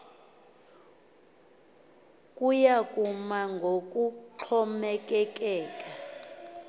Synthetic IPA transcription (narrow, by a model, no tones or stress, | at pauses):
kʼujakʼumaŋɡʱok̬ʼuǁʰɔmɛk̬ʼɛk̬ʼɛːkʼa